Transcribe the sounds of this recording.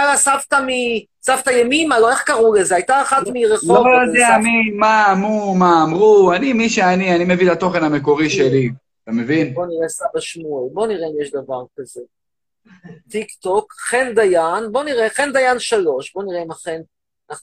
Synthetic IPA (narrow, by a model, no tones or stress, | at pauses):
alasavt̪ami | savt̪ajemimaloe̞χkaʁulezeajt̪aːχat̪miʁeχloovd̪ɛaanimaːmumaːmʁuanimiʃeanianimevilat̪o̞χenameko̞ʁiʃeli | t̪amevinbo̞niʁesabaʃmuelbo̞niʁeimjeʃd̪avaʁkaze̞ | t̪ikt̪okχend̪ajanbo̞niʁeχe̞nd̪ajanʃalo̞ʃbo̞niʁeimaχen | na